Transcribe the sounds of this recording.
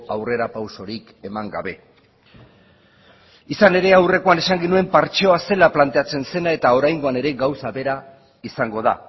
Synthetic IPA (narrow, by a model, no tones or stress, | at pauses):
awre̞ɾapawso̞ɾik | e̞maŋɡa̰βe̞̰ | isane̞ɾe̞awre̞ko̞ane̞saŋɡinue̞mpaɾt͡ʃeoase̞laplant̪e̞at͡se̞nse̞nae̞t̪ao̞ɾajŋɡo̞ane̞ɾe̞ɡawsaβe̞ɾa | isaŋɡo̞ð̞a̰